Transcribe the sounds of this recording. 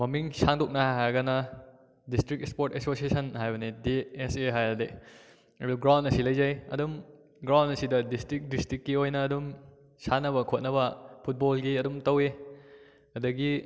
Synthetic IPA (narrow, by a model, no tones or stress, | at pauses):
mɐmiŋsaŋdok̚nɐhajɦajɐɡɐnɐ | distɾik̚spoɾtesosiesɐnɦajbɐnideːseɦajɐde | ebelɡɾawndɐsilɐjzajɐ̰dum | ɡɾawnɐsidɐdistɾik̚distɾikːiojnɐːdum | sanɐβɐkʰot̚nɐβɐpʰut̚bolɡiɐdumtɐwe | ɐdɐɡi